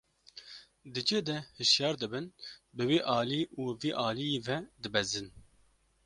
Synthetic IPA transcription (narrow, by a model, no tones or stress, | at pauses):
d̪ɨd͡ʒeːd̪ɛhɨʃjɑːɾd̪ɨbɨnbɨwiːʔɑːliːʔuːviːʔɑːlijeːvɛd̪ɨbɛzɨn